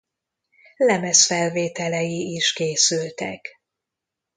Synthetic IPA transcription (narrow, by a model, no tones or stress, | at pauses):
lɛmɛsfɛlveːt̪ɛlɛjiːʃkeːsylt̪ɛk